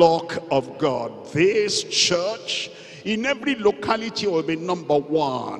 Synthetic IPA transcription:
ɔkɔvɡɔ̰d̚ðɪst͡ʃɜt͡ʃ | ĩnɛvɾilokʰalitʰiwɪlbinʌ̃mbəwɔ̃n

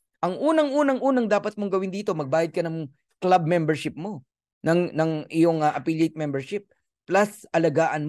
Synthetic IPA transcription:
ʔɐŋʔuːnɐŋʔuːnɐŋʔuːnɐŋd̪aːpɐt̪̚moŋɡɐwɪnd̪iːt̪o̞mɐɡ̚baːjɐd̪̚kɐnɐŋ | klab̚mɛmbɛɹʃɪp̚mo̞ | nɐŋnɐŋʔɪjo̞ŋɐʔɐpilet̪̚mɛmbɛɹʃɪp̚ː | lɐsʔɐlɐɡaːʔɐnm

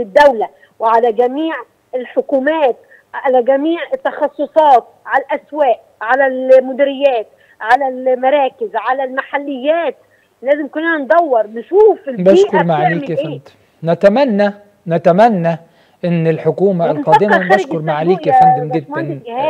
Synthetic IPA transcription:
ɪd̪ːæwlæ | wɪʕalæɡæmiːʕ | ɪlħokuːmæːt̪ | ʕalæɡæmiːʕɪt̪ːɑxɑsˤːosˤɑːt̪̚ʕalælʔæswæːʔ | ʕalælmʊd̪ɪɾɪjːæːt̪ | ʕalælmɑɾˤɑːkɪzʕalælmaħalːɪjːæːt̪̚ | læːzɪmkʊnʔænænd̪ˤɑwːɑɾˤnɪʃuːfɪlbæiːʔkʊɾmaʕliːkʔeæːnt̪ | næt̪æmænːæ | næt̪æmænːæ | ʔɪnːɪlħokuːmalqɑːd̪ɪmabæɾʃkʊɾmaʕaliːkand̪ɪmɡɪd̪ænɡhæː

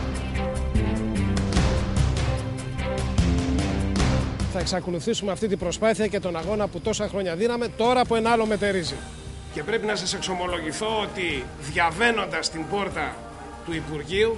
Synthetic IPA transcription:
θɐeksɐkoluθisume̞ɐft̪it̪ibɾo̞spɐθiɐce̞t̪o̞nɐɣo̞nɐput̪o̞sɐxɾo̞ɲɐðinɐme̞t̪o̞ɾɐːpue̞nɐɐlo̞me̞t̪e̞ɾizi | ce̞pɾe̞pinɐsɐse̞kso̞mo̞lo̞ʝiθo̞ot̪i | ðʝɐve̞no̞nd̪ɐst̪imbo̞ɾt̪ɐ | t̪uipuɾʝiu

